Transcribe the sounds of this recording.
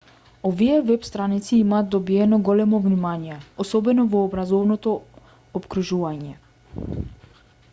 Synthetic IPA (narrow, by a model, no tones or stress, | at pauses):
ɔviɛvɛpst̪ɾanit̪siimaːt̪̚d̪ɔbiɛnɔɡɔlɛmɔvnimanijɛɔsɔbɛnɔvɔːbɾazɔvnɔt̪ɔː | pkɾuʒuvaɲɛ